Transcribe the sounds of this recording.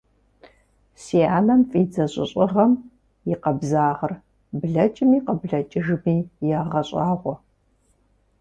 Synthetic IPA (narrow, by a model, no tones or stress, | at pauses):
siːaːnɐmfʼid͡zɐɕʼɪ̰ɕʼɪʁɐm | jɪqɐbzaːʁɐr | bɮɐt͡ʃʼɪmiːqɐbɮɐt͡ʃʼɪʒmiːjaːʁɐɕʼɑːʁʷɔ